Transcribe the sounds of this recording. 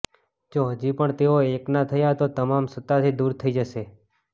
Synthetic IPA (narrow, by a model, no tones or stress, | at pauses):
d͡ʒoɦəd͡ʒipəɳt̪eoeknat̪ʰəjat̪ot̪əmamsət̪at̪ʰid̪uɾt̪ʰəid͡ʒəʃe